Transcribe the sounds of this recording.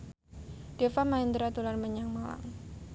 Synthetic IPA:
ɖ̥efamaind̪ɾat̪ularməɲaŋmala̰ŋ

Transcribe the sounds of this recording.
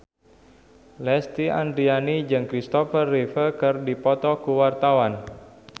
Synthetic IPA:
lɛst̪ia̰nd̪ɾianid͡ʒɨŋkɾist̪ɔfərːifəkərdipɔt̪ɔkuwart̪awan

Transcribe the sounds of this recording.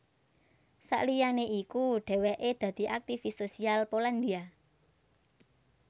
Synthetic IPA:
sa̰ʔlijaneʔikuɖ̥ɛ̤wɛʔed̪̥ä̤d̪̥i̤ʔak̚t̪ifisosialpoland̪ia

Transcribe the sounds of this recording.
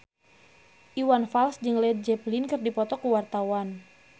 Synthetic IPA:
ʔiwanfalsd͡ʒɨŋlɛd̪̚d͡ʒɛplinkɨrdipɔt̪ɔkuwart̪awan

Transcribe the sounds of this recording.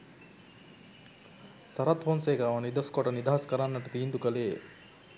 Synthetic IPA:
sɐɾat̪fonseːkaʋɐnid̪ɐskoʈɐnid̪aːɐskɐɾanːɐʈut̪iːnd̪ukɐleː

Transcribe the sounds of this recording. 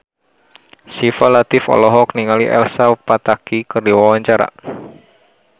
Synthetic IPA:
sifalat̪ɪfɔ̰lɔɦɔkniŋaliʔɛ̰lsapat̪akikərdiwawaɲt͡ʃaɾa̰

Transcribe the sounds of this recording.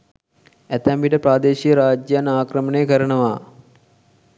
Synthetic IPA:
æt̪ɛmbiʈəpɾaːd̪eːʃijəɾaːd͡ʒjanaːkɾəmənejəkəɾənəʋaː

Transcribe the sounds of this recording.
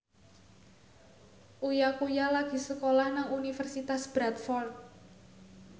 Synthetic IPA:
ʔujakujalaɡ̥i̤səkolahnaŋunifərsit̪asb̥ɾat̪̚fɔrt̪̚

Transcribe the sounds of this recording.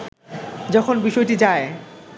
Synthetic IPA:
d͡ʑɔkʰonbiʃɔjʈid͡ʑae

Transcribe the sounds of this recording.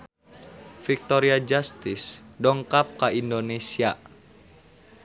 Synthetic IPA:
fik̚t̪oɾiad͡ʒast̪isdɔŋkap̚kaindonesia

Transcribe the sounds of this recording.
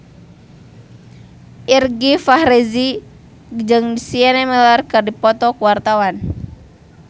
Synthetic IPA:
ʔirɡifahɾɛzi | d͡ʒɨŋsiɛnɛmɛlarkɨrdipɔt̪ɔkuwart̪awan

